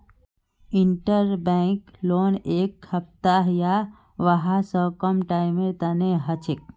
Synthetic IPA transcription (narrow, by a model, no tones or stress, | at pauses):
iɳʈəɾbɛ̃kloːneːkhəp̚t̪aɦja | ʋəɦasəkəmʈaimẽt̪əneɦət͡ʃʰek̚